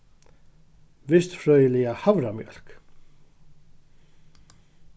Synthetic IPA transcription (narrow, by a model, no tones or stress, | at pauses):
ʋɪst̪fɾœːjəlɪahavɾamjœ̰l̥k